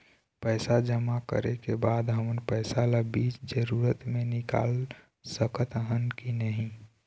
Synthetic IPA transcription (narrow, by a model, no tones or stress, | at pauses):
pəɪsad͡ʒəmakə̰ɾekebaːd̪ɦəmənpəɪsalabit͡ʃd͡ʒəɾuːɾət̪mẽnɪka̰ːl | səkət̪ɦənkinəɦĩ